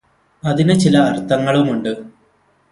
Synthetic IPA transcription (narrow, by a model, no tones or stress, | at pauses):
ɐðinɨt͡ɕilɐːrt̪ːɐŋːɐɭumuɳɖɨ